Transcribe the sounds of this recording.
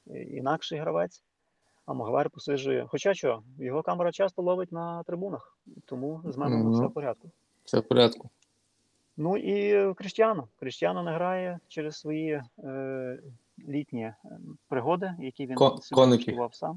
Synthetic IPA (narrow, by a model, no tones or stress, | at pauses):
ḭnɑkʃɛjɦɾɐʋɛt͡sʲ | ɐmɐɦɐʋɑɾʲpɔsɪʒʊjɛ̰xɔt͡ʃɑt͡ʃɔjɔɦɔkɑmeɾɐt͡ʃɑst̪ɔlˠɔʋɪtʲnɐt̪ɾɪbunɐx | t̪ɔmuzmɛnɔfsɛwpɔɾʲad̪̚kʊ | fsɛ̰wpɔɾʲat̪kʊ | nuʔikɾɪʃtʲjanɔkɾɪʃtʲjanɔnɛɦɾɑjɛt͡ʃɛɾɪzsʋɔji | lʲitʲnʲipɾɪɦɔd̪ɪjɐkʲiʋʲinskɔnɪʊʋɑwsɑm